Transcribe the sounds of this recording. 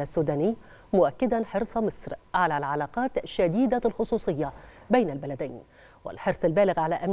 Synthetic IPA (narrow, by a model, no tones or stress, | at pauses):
asːuːd̪aːnɪː | mʊʔakːɪd̪anħɪɾsˤɑmɪsˤɾʕalalʕalɑːqɑːt̪ʃad̪iːd̪alxʊsˤuːsˤɨjːabajnalbalad̪aːn | wɪ̰lħɪɾsˤɪlbæːlɪɣʕalaʔam